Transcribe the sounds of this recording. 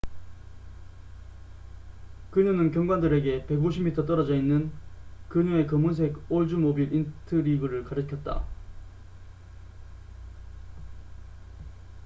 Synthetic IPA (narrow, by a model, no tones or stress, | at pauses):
kɯɲunɯnkjʌŋɡwandɯɾe̞ɡe̞pe̞ɡoɕʰimitʰʌt͈ʌɾad͡ʑʌinːɯnkɯɲue̞kʌmuns̬ʰeɡoɭd͡ʑumobiɾʔintʰɯɾiɡɯɾɯɭkaɾɯkʰjʌt̚t͈a̰